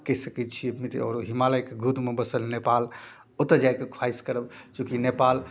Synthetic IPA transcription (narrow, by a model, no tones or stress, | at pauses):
kəisəkɛt̪̚t͡ʃʰiəbmit̪ɔ̰ːɾɦimaləjkeɡʱud̪mebəsəlnepal | ot̪əd͡ʒajkekʰwaiskəɾəbt͡ʃukinepal